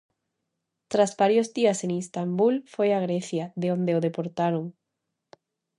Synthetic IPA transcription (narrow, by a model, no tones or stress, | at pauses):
t̪ɾazβaɾjozðiaseŋist̪ambulfojaɣ̞ɾeθjaðeond̪eoðepoɾt̪aɾoŋ